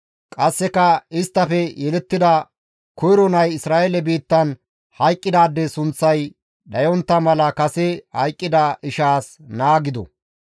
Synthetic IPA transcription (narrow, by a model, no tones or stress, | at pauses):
kʼɐsːɛkɐɪst̪ːɐfɛjɛlɛt̪ːɪd̪ɐ | kɔjɾɔnɐjɪsɾaːʔɛlɛbiːt̪ːɐn | hɐjkʼːɪd̪aːd̪ːɛsʊnt͡sːɐj | ɗɐjɔnt̪ːɐmɐlɐkɐsɛhɐjkʼːɪd̪ɐʔɪʃaːs | naːɡɪd̪ɔ̰